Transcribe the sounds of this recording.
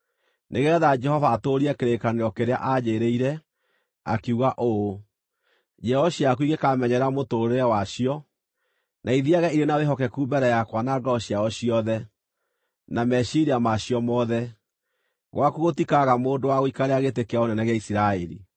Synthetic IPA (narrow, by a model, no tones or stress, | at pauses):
neɣɛðad͡ʒɛhɔvaːtoɾiɛkeɾekaneɾɔkeɾea̰ʔaɲeɾeiɾɛ | a̰kiuɣaʔo | d͡ʒɛɔɕiak̬uiɣekamɛɲɛɾamotoɾeɛwaɕiɔ | naiðiaɣɛiɾenaweɦɔkɛkubɛɾɛjakwanaɡɔɕiaɔɕiɔðɛ | namɛʃiɾiamaɕiɔmɔðɛ | ɣwakuɣotikaɣamoːndowaɣoikaɾeaɣetekeaonɛnɛɣeaisiɾaɛɾḭ